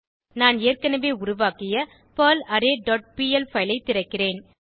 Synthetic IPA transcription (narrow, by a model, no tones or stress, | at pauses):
naːneːrkɐnɐʋeːʊɾʊʋaːkɪjɐ | pɐːlɐɾeːɖɔːʈ̚piːɛlfɐɪlɐɪt̪ːɪɾɐkːɪreːn